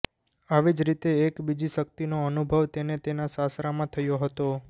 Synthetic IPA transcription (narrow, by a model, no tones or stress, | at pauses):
aʋid͡ʒɾit̪eːkbid͡ʒiʃək̚t̪inoənubʱəʋt̪enet̪enasasɾamãt̪ʰəjoɦət̪o